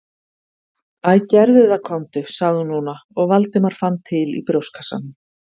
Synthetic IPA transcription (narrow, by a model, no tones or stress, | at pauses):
aðcɛɾðʏðakʰɔwnt̪ʏsaɣðʏnuːnaɔɣvalt̪ɪmaɾ̥fant̪ʰːɪlḭpɾowskʰasa̰n